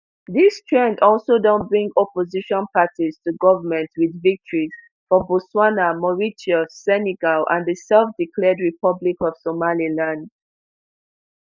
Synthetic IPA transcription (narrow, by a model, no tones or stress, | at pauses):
ðistʰɹɛ̃ndɔlˠsodɔ̃nt̚bɹĩŋɡɔpɔziʃɔ̃npʰatiz̥tuɡɔvəmɛ̃ntwiðvik̚tʰɔɹiz̥ | fɔbɔswanamɔɹit͡ʃiosɛnɛɡalʔã̰nðəsɛlfdikʰlɛdɹipʰʌblikɔv̥somalilãnd